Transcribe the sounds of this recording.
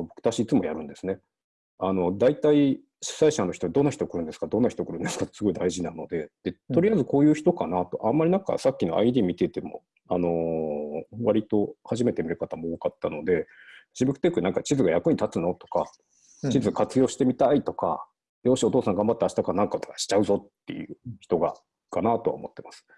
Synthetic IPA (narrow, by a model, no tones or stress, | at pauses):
bo̞kɯ̟̥t̪aɕiːt͡sɨmo̞jaɾɯ̟̃nd̪e̞sɨne̞ | ano̞d̪ait̪ai | ɕi̥saiɕanːo̞çi̥t̪oad̪o̞nːaçi̥t̪okɯ̟ɾɯ̟nd̪sɨ̥kad̪õ̞nːaçi̥t̪okɯ̟ɾɯ̟nd̪e̞sɨ̥kat̪ːosɨɡo̞id̪aiʑinano̞d̪e̞d̪̥e̞t̪o̞ɾijaizɨko̞ːjɯ̟ːçi̥t̪o̞kanat̪o̞̰ʔãmːaɾʲinãŋka̰sakʲːino̞̰ʔa̰id̪ʲiːmʲit̪e̞t̪e̞mo̞̰ | ano̞ | βaɾʲit̪o̞haʑime̞t̪e̞mʲiɾɯ̟kat̪amooːkat̪ːano̞d̪e̞d͡ʑibɯ̟kɯ̟t̪ekɯ̟nãŋkat͡ɕizɨɡajakɯ̟ɲ̟it̪at͡sɨno̞t̪o̞̥ka̰ | t͡ɕizɨɡakat͡sɨjo̞ːɕi̥t̪e̞mʲit̪ait̪o̞ka̰ | joːɕio̞t̪o̞ːsãŋɡãmbat̪ːe̞aɕi̥t̪akanãŋkat̪o̥kḁɕi̥t͡ɕaɯ̟zo̞t̪ːe̞̰jɯ̟̰ːçi̥t̪o̞ɡa̰ | kanat̪o̞a̰omo̞t̪ːe̞masɨ̥